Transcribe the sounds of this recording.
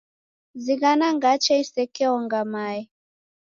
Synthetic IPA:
ziɣanaŋɡat͡ʃɛisɛkɛɔŋɡamai

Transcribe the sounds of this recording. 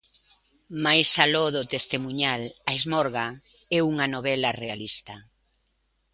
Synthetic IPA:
majsalɔðʊt̪est̪emuɲalaizmɔɾɣa | ɛuŋɐnoβɛlɐrealist̪ɐ

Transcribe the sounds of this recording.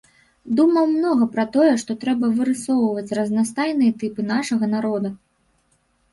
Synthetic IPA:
d̪umɐwmnɔɣɐpɾɐt̪ɔjɛʂt̪ɔt̪ɾɛbɐvɨɾɨsɔwvɐt͡sʲrɐznast̪ajnɨjɛt̪ɨpɨnaʂɐɣɐnaɾɔd̪u

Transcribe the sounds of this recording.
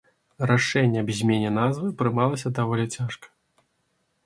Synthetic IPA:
raʂɛnʲːɛɐbʲzʲmʲenʲɛnazvɨpɾɨmalˠɐsʲɐd̪avɔlʲit͡sʲaʂkɐ̥

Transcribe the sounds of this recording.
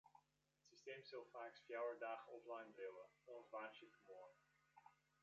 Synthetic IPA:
ətsisteːmzɑlˠfaːksfjawəɹdaːχɔflɑjnbrewəɔnsʋaːntjəfəmoːn

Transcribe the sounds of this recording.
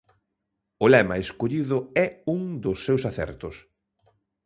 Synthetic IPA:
ʊlɛmɐeskoʎiðʊɛuŋd̪ʊsːewsaθɛ̰ɾt̪ʊs

